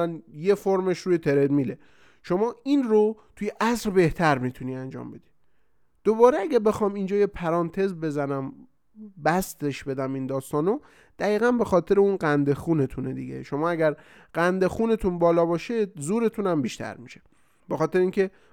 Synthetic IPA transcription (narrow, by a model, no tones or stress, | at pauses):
ænje̞foɾme̞ʃɾuːjet̪ʰeɾed̪miːle | ʃo̞mɒːinɾot̪ʰujeʔæsɾbe̞ht̪ʰæɾmit̪ʰuniːænd͡ʒɒ̰ːmbe̞d̪̥i | d̪̥obɒːɾeæɡæbe̞xɒːmind͡ʒɒːjepʰæɾɒːnt̪ʰe̞zbe̞zænæm | bæst̪e̞ʃbe̞d̪æmind̪ɒːst̪ɒːno | d̪̥æɣiːɣænbe̞xɒːt̪ʰe̞ɾeunɢænd̪e̞xuːne̞t̪ʰuned̪ḭɡe̞̰ʃo̞mɒːæɡæɾ | ɢ̥ænd̪exuːne̞t̪ʰunbɒːlɒːbɒːʃezuːɾe̞t̪ʰunæmbiːʃt̪ʰæ̰ɾmiʃe | b̥e̞xɒːt̪e̞ɾeiːncʰe̞